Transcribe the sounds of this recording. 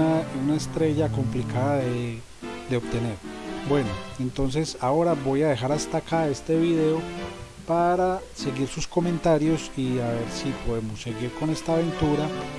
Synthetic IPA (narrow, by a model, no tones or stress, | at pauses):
aunaest̪ɾe̞ʝako̞mplikaðaðe | d̪e̞obt̪e̞ne̞ɾbwe̞no̞e̞nt̪o̞ns̬e̞sao̞ɾaβo̞jaðe̞xaɾast̪akae̞st̪e̞βiðe̞o̞ | paɾase̞ɣiɾsusko̞mẽ̞nt̪aɾjo̞siaβe̞ɾsipo̞ðe̞mosːe̞ɣiɾko̞ne̞st̪aːβe̞nt̪uɾa